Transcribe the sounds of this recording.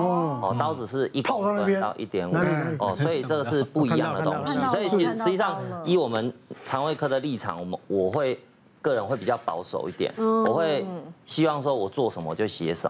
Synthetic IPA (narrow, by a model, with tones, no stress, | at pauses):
ɔ˨˩t̪ɑ˥˧ʊt͡sɻ̩˨˩ʂɻ̩˥˨ʔi˧˥˨ʊa˥˧na˥˩j̪ɑ̰˥˧ʊʔḭ˥˧t̪jɛ˧˥nwə˨˦ɔ˨˩swɔ˧˦˥i˨˩t͡sə˥˩ɡə˩ʂɻ̩˥˧pu˥˩i˧˥jɑ˨ŋd̪ə˩˨t̪ɔ˦ŋɕi˥swɔ˧˥i˨˩i˧˥˨ʂɻ̩˧˥t͡ɕi˥˩sɑ˥˩ŋŋi˨˦wɔ˨˩mə˨nt͡sʰɑ˧˦ŋwe˥˧ɪkʰɤ˥d̪ə˨li˥˩ʈ͡ʂʰɑ̰˨˩ŋ˩mwʔɔ˨˩xwe˥˧ɪ | kɤ˥˩ɻə˧˦nhwe˥˩ɪpi˨˩t͡ɕjɑ˥˩ʊpɑ̰˧˦ʊʂo̰˨˩ʊi˥˩t̪jɛ̰˨˩˦nwɔ˨˩xwe˥˩ɪɕi˦wɑ˥˧ŋʂwɔ˦wɔ˨˩t͡swɔ˥˩ʂə˧˦nmə˧˨t͡ɕjo˥˩ʊɕjɛ˧˦ʂə̰˨˦m